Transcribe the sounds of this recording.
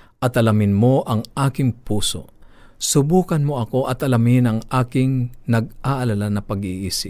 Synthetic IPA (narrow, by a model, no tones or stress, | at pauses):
ʔɐt̪ɐlɐmɪnmoʔɐŋʔaːkɪŋpuːso̰sʊbuːkɐnmoɐko̞ʔɐt̪ɐlɐmɪnɐŋʔaːkɪŋnɐɡ̚ʔaʔɐlalanɐpɐɡiʔiːsɪp̚